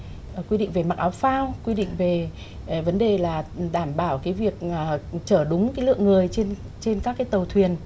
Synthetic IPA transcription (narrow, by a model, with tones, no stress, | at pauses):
kwi˧ɗḭ˧˨ŋ̟ve˨˩ma˨˩k̚ʔaː˨˦wfaː˧wkwi˧ɗḭ˧˨ŋ̟ve˨˩ | və˨˦nɗe˨˩laː˨˩ɗaː˧˩mɓaː˧˩wkaː˨˦jvi˨˩ək̚ːt͡ɕəː˧˩ɗʊ˨˦ŋ͡mkaː˨˦jlɨ̰˧˨əŋɨ˨˩əjt͡ɕe˧n | t͡ɕe˧nkaː˦˥kːaː˨˦jt̪ə˨˩wt̪ʰwi˨˩ən